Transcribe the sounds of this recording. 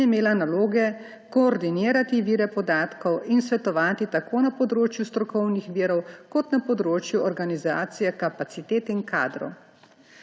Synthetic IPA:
imeːlanaloːɡɛ | kɔːɾd̪iniːɾat̪iʋiːɾɛpɔd̪aːt̪kɔwinsʋɛt̪ɔʋaːt̪it̪akoːnapɔd̪ɾoːt͡ʃjust̪ɾɔkɔwnixʋiːɾɔwkɔt̪napɔd̪ɾoːt͡ʃjuɔɾɡanizaːt̪sijɛkapasit̪eːt̪inka̰ːd̪ɾɔ̰w

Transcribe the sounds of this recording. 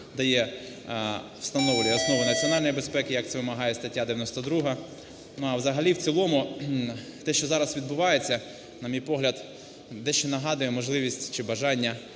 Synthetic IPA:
d̪ɐjɛ | w̥st̪ɐnɔʋlʲɛɔsnɔʋʊnɐt͡sʲiɔnɑlʲnɔjbespɛkɪjɐkt̪sɛʋɪmɐɦɑjɛst̪ɐtʲːad̪eʋjɐnɔst̪ɐd̪ɾuɦɐ | nʊɐwzɐɦɐlʲiwt͡sʲilˠɔmʊ | t̪ɛʃt͡ʃɔzɑɾɐsʋʲid̪bʊʋɑjet͡sʲːɐ | nɐmʲijpɔɦlʲɐd̪ | d̪ɛʃt͡ʃɛnɐɦɑd̪ʊjɛmɔʒlˠɪʋʲisʲtʲt͡ʃɪbɐʒɑnʲːɐ

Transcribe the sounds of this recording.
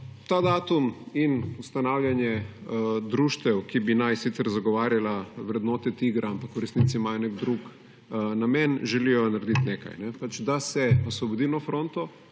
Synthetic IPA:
t̪aːd̪aːt̪uminust̪anawlʲjanjɛ | d̪ɾuːʃt̪ɛwkibinajsit̪sɛɾzaɡɔʋaːɾjalaʋɾɛd̪noːt̪ɛt̪iɡɾaampakuɾɛsniːt̪siːmajɔnɛɡd̪ɾuk | namɛnʒɛlijɔnaɾd̪it̪neka̰jnɛpat͡ʃd̪asɛɔsʋɔbod̪inɔfɾont̪ɔ

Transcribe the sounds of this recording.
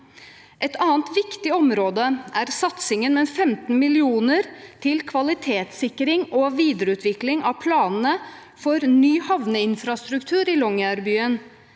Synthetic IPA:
ʔɛt̪ɑːnt̪ʋɪkt̪ɪɔmɾoːd̪əʔæɾsɑt̪sɪŋənmɛfɛmt̪n̩mɪlɪuːnəɾt̪ʰɪlkʰʋɑlɪt̪ʰeːt̪sɪkːɾɪŋɔʋiːd̪əɾəʉːt̪ʋɪklɪŋɑʋpʰlɑːnn̩ə | fɔɾnyːhɑʋnəɪnfɾɑst̪ɾʉkt̪ʰʉːɾɪlɔŋæɾbyːən

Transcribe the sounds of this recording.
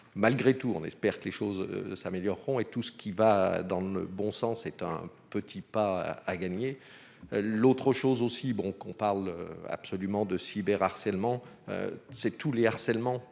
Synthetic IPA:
malɡʁet̪uɔ̰̃nɛ̰spɛʁkəleʃoz̰sameljɔʁːɔ̃et̪usə̥kʲʰivad̪ɑ̃llə̰bɔ̃sɑ̃sɛt̪ɛ̰̃ | pət̪ʰipaaɡaɲe | lot̪χəʃozosibɔ̃kɔ̃paʁl̰a̰psɔlymɑ̃d̪əsibɛʁaʁsɛlmɑ̃ø̰sɛt̪uleaʁsɛlmɑ̃

